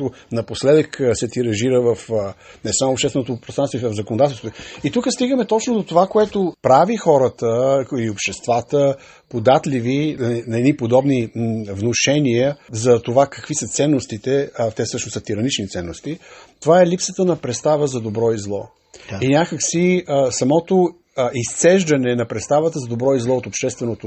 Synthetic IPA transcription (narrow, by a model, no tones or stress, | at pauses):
t̪o | nɐposlɛd̪əksɛt̪iɾɐʒiɾəvəfnɛsamopʃt̪ɛsvɛnot̪ʊpɾosɾat̪voivəvzəkonod̪at̪ɛlˠst̪vot̪it̪ukəst̪iɡəmɛt̪ɔt͡ʃnod̪ot̪ovakoɛt̪opɾavixɔɾət̪əiliopʃt̪ɛst̪vat̪ə | pod̪at̪livinɐɛd̪nipod̪ɔbnivnoʃɛniəzɐt̪ovakɐkvisət̪sɛnːost̪it̪ɛt̪ɛsɤʃnosət̪iɾɐnit͡ʃnit̪sɛnːost̪it̪ovaɛlipsət̪ənɐpɾɛt̪st̪avəzɐd̪obɾɔizlˠɔ̰ | inʲjakəksisɐmɔt̪o | ist̪sɛʒd̪ɐnɛnɐpɾɛt̪st̪avət̪əzɐd̪obɾɔizlˠɔot̪opʃt̪ɛst̪vɛnot̪o